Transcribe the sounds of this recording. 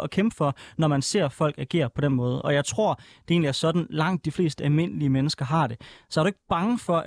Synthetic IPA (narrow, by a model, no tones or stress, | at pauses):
ʔɒ̽kʰemb̥əfɒ̽nɒmænse̝̰ɐ̰fɒ̽l̰ɡ̥æɐɡ̥ḛːɐpʰɒ̽den̰mɔ̽ːð̞ˠəʔɒ̽jɑ̈ɪt͡sʰʁo̝ɐ̰d̥e̝e̝ːnliæɐsɒ̽d̥n̩lɑ̈ŋ̰d̥ːifle̝̰ːsd̥əælme̝n̰əliəmenəsɡ̥ɐɦɑ̈d̥e̝sɒ̽æɐɾ̥ue̝ɡ̥b̥ɑ̈ŋəfɒ̽ʔ